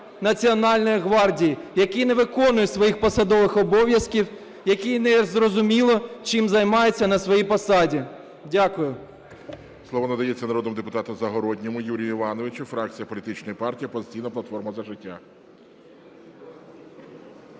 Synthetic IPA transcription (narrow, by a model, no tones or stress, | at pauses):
nɐt͡sʲiɔnɑlʲnɔjiɦʋɑrdʲijijɐkinɛʋɪkɔnʊjɛsʋɔjixpɔsɐd̪ɔʋɪxɔbɔʋjɐskʲiw | jɐkinɛzrɔzʊmʲilˠɔt͡ʃɪmzɐjmɑjet͡sʲːɐnɐsʋɔjipɔsɑdʲi | dʲakʊjʊ | slˠɔʋɔnɐd̪ɐjɛt͡sʲːɐnɐɾɔd̪nmʊd̪epʊt̪ɑt̪ɔmzɐɦɔɾɔdʲnʲɔmʊjuɾʲijʊɪʋɑnɔʋɪt͡ʃʊfɾɑk̚t͡sʲijɐpɔlʲit̪ɪt͡ʃnɔjipɑrtʲijipɔzɪt̪ʲijnɐplˠɐt̪fɔrmɐzɐʒɪtʲːa̰